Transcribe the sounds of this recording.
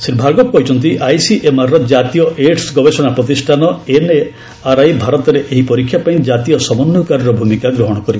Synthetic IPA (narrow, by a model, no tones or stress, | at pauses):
siɾbʱaɡɔppɔɦjt͡ʃʰɔnt̪̬iʔajsiʔemaɾɾɔd͡ʒat̪ijɔʔeʈsɡɔbesɔnapɾɔt̪̬isʈʰanɔene | aɾajbʱaɾɔt̪ɔɾeʔeɦipɔɾikʰːjapaĩd͡ʒat̪ijɔsɔbɔnːukaɾɔɾɔbʱumikaɡɾɔɦɔɽ̃ɔkɔɾibɔ